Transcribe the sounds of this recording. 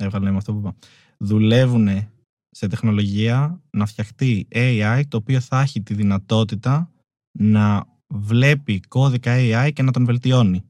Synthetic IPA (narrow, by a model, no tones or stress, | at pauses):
evɣɐlnemɐft̪opupɐ | ðule̞vune̞ | se̞t̪e̞xno̞lo̞ʝiɐnɐfçɐxt̪ieiɐjt̪o̞ːpio̞θɐçit̪iðinɐt̪o̞t̪it̪ɐ | nɐ | vle̞piko̞ðikɐeiɐjce̞nɐt̪o̞nve̞lt̪io̞ni